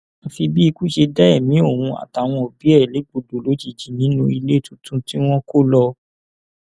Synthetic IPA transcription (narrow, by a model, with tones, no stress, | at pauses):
a˧fi˧bi˦i˧ku˦˨ʃe˧dɛ˦ɛ˦˨mĩ˨˦o˦˨hũ˧a̰˨ta˨w̃ɔ̃˧o˨bi˨˦ɛ˦˨le˨˦ɡ͡bo˨do˨lo˨˦d͡ʒi˦˨d͡ʒi˨nĩ˨˦nũ˧i˧le˦˨tũ˦tũ˦ti˦w̃ɔ̃˦ko˦lɔ˧